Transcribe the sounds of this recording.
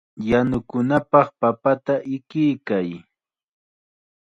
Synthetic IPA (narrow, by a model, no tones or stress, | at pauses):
janʊkʊnapɑχpapat̪aʔɪkɪjkaj